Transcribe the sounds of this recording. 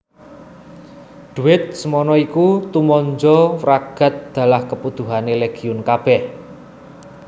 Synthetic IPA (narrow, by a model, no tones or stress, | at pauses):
d̪̥ṳɪt̪̚səmɔnɔikut̪umɔɲd͡ʒɔraɡ̥a̤t̪̚d̪̥ä̤lahkəput̪uɦaneleɡ̥i̤ʊnkab̥ɛh